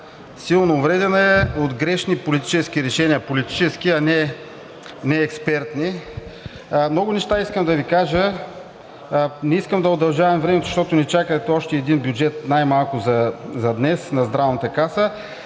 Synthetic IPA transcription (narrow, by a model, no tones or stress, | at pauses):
silˠnoːvɾɛd̪ɛnɐɛod̪ɡɾɛʃnipolit̪i̥t͡ʃɛsk̟iɾɛʃɛniəpolit̪i̥t͡ʃɛsk̟iɐnɛ | nɛɛkspɛɾt̪ni | mnɔɡʊnɛʃt̪aiskəmd̪ɐvikaʒə | nɛiskəmd̪ɐod̪ɐlˠʒavɐmvɾɛmɛt̪zʃt̪ɔt̪ʊnɛt͡ʃakət̪ɔʃt̪ɛːd̪inbjʊd͡ʒɛt̪najmalˠkʊzɐzɐd̪nɛsnɐzd̪ɾavnɐt̪əkasə